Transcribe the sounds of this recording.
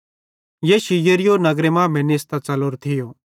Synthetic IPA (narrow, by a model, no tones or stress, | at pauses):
jeːʃijəɾijonɐɡɾemãmẽnest̪at͡sɐloɾt̪ʰɪjo